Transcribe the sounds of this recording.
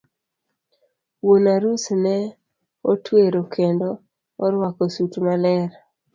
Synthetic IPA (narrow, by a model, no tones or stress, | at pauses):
wonaɾusnɛ | otweɾokʰendo | ɔɾwakosutmalɛɾ